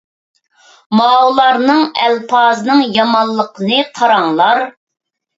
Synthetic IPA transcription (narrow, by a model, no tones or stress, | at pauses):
mɑːwlˠɑɾnɨŋɛlpʰɑːznɨŋjɑmɑlˠːəqənɨqʰɑɾɑŋlˠɑɾ